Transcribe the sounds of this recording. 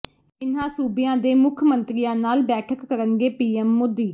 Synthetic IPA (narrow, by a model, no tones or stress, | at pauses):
ɪnãːsuːbɪjãːd̪eːmʊkʰmənt̪ɾijãːnaːlbɛːʈʰəkːəɾənɡeːpiːɛːmːʊd̪ːiː